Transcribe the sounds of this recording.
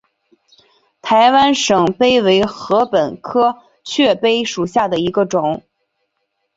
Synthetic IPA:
t̪ʰa˧˥ɪwa˥nʂɤ˨˩ŋpe˥ɪwe˧˥ɪxɤ˧˥pə˨˩nkʰɤ˥ | t͡ɕʰɥɛ˥˩pe˥ɪʂu˨˩ɕja˥˩d̪ə˩i˧˥ɡə˧ʈ͡ʂʊ˨˩˦ŋ

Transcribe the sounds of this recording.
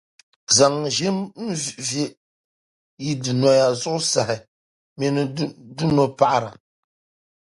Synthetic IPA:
za˨ŋ˨ʒɪ˦mn̩˦vve˦ | ji˦dɨ˨nɔ˨ja˨zʊ˦ʔʊ˦sa˨hɪ˨ | mɛ˦nɨ˦du˦no˨pa˦ʔa˨ɾa˨

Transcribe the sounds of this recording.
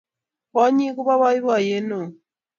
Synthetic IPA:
βa˦ɲi˦ku˦βa˦βa˦i˦βa˨je˦no˨

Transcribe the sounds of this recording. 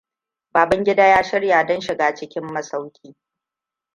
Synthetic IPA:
baː˨bɐ˦ŋɡʲɪ˦daː˦jaː˦ʃɪ˦ɽjaː˨dɐ˦nʃɪ˨ɡaː˨t͡ʃɪ˦kʲɪ˦mːɐ˦sa˦wkʲʰiː˦

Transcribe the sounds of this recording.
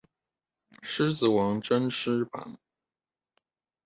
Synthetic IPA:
ʂɻ̩˥t͡sɹ̩˨˩wɑ˧˥ŋʈ͡ʂə˥nʂɻ̩˥pa̰˨˩˦n

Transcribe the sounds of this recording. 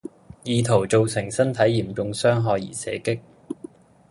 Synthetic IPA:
jiː˨˧t̪ʰo˨˩wt͡so˨wsɪ˨˩ŋsɐ˥nt̪ʰɐ˨˥jːiː˨˩mt͡sʊ˧ŋsœː˥ŋɦɔː˧jḭː˨˩sɛ̰ː˨˥kɪ˥k̚

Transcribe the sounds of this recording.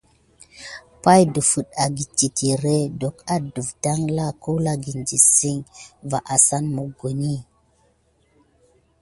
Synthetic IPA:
pa˦jdu˨fu˨ta˨ɡi˨t͡ʃi˨tʰi˨ɾe˦do˨ka˦du˨fda˦ŋla˦˨ku˦la˦ɡi˨nd͡ʒi˨si˦ŋva˨ʔa˨sa˦nmo˨ɡo˨ni˦

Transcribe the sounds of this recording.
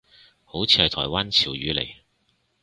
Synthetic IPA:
ho˨˥wt͡sʰiː˧hɐ˨jt̪ʰɔː˨˩jwaː˥nt͡sʰiː˨˩wɥyː˨˧lḛ˨˩j

